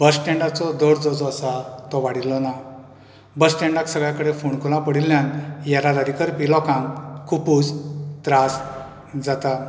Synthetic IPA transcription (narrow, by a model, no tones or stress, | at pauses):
bəsʈɛ̃ɳɖat͡sɔd̪ɔɽd͡zɔd͡zəsat̪ɔʋaɽilɔna | bəsʈɛ̃ɳɖaksəɡɭjakəɽefuɳkulãpəɽilːjãnjaɾad̪aɾikəɾpilɔkãŋkkupud͡zt̪ɾas | d͡zat̪a